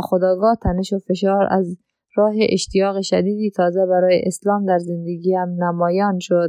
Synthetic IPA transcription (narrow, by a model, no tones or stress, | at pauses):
xod̪ɒːɡɒːt̪ʰæneʃofeʃ̬ɒːɾæ̰z | ɾɒːɦeʔeʃt̪ijɒːɣeʃæd̪iːd̪it̪ʰɒːzebæɾɒːjḛʔeslɒːmd̪æɾzend̪eɡiːhæmnæmɒːjɒːnʃod̪